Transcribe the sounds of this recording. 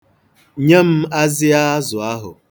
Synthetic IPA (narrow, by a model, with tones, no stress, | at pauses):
ɲe˦m̩˦a˦zɪ˦a˦zʊ˨a˦ɦʊ̰˨